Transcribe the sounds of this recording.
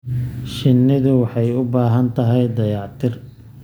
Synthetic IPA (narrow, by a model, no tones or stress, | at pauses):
ʃɪnːɪðʊwɑħɑjʊbaːɦɐnt̪ʰɐɦɛjd̪ɐjɑːʕt̪ʰɪr